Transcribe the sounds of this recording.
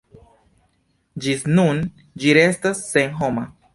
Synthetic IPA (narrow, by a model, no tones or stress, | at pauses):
d͡ʒisnun | d͡ʒiɾe̞stasːenɦoma